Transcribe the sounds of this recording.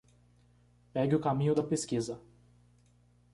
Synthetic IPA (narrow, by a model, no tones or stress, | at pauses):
pɛɡɪʊkamĩɲʊd̪ɐpeskizɐ